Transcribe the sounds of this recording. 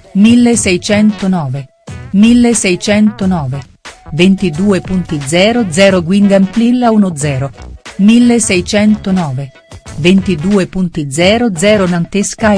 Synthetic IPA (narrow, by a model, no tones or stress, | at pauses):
milːesɛjt͡ʃɛnt̪onɔːve | milːesɛjt͡ʃɛnt̪onɔːve | vent̪id̪uːepunt̪id̪zɛːɾod̪zɛːɾoɡwinɡ̪ɛmplilːaunod̪zɛːɾomilːesɛjt͡ʃɛnt̪onɔːve | vent̪id̪uːepunt̪id̪zɛːɾod̪zɛːɾonant̪eska